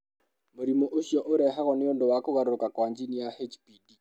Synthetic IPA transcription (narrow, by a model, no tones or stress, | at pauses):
moɾimoʔoʃjɔʔoɾɛɦaɣɔnɪondowakoɣaɾoɾokakwaɲd͡ʒinijahet͡ʃpidi